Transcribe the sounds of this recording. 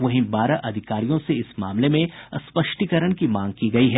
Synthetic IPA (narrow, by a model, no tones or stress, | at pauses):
ʋɐɦĩbaːɾaʔɐd̪ʱɪkaːɾijõseɪsmaːmlemẽspɐʃʈikəɾəɳkimãːŋɡ̚kiɡɐiɦɛː